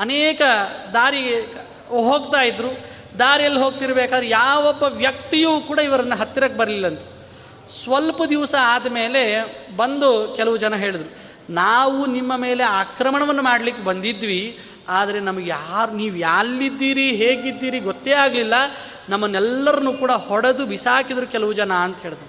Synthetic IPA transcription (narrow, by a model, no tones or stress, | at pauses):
ɐneːkɐd̪aːɾi | ɦo̞ːɡt̪aːjid̪ɾu | d̪aːɾijɐlːiɦoːɡ̚t̪iɾɐbeːkaːd̪ɾejaːʋɔbːɐʋjɐk̚t̪ijuːkuːɽaiʋɐɾɐnːuɦɐt̪ːiɾaːkːebɐɾɐlilːɐnt̪e̥ | sʋɐlpɐd̪iʋsɐaːd̪ɐme̞ːle̞bɐnd̪ukɛlɐʋud͡ʒɐnɐɦe̞ːɭid̪ɾu | naːʋunimːɐme̞ːle̞aːkɾɐmɐɳɐʋɐnːumaːɽlikːebɐnd̪id̪ʋi | aːd̪ɐɾe̞nɐmɐɡejaːɾuniːʋujaːlːid̪ːiːɾiɦeːɡid̪ːiːɾiɡɔt̪ːeːaːɡlilːɐ | nɐmːɐnːɛlːɐɾɐnuːkuːɽɐhɔɽed̪ubisaːkid̪ɐɾukɛlɐʋud͡ʒɐnɐːnt̪ɐɦe̞ːɭid̪ɾuu